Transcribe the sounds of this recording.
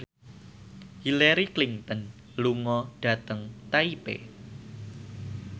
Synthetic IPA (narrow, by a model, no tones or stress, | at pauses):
hilaɾikliŋt̪ən | luŋɔɖ̥ä̤t̪əŋt̪aipḛ